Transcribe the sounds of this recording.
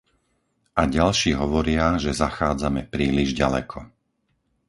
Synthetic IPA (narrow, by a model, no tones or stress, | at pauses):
ʔaɟalʃiːɦɔʋɔɾɪaʒɛzaxaːd͡zamɛpɾiːliʒɟalɛ̰kʰɔ